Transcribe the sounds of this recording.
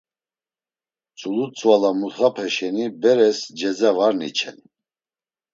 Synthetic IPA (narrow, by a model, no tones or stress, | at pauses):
t͡sʼulut͡sʼvalamuχapʰɛʃɛnibɛɾɛsd͡ʒɛd͡zavaɾnḭt͡ʃʰɛ̰n